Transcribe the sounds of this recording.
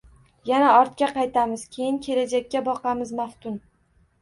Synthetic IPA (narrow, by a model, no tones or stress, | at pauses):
janaɒɾt̪̚kʲaqɑjt̪ʰamɪz̥kʲʰe̞jɪŋkʲʰe̞lad͡ʒakʲːabɒqɑmɪzmaft̪ʊn